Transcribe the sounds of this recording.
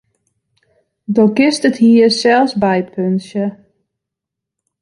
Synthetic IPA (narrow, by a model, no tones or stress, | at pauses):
doɡɪstəthiːəsɛlˠsbɛjpʰønsjə